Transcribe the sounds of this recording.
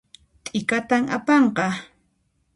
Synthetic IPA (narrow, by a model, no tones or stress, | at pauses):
t̪ʼɪkat̪amapɑɴqɑ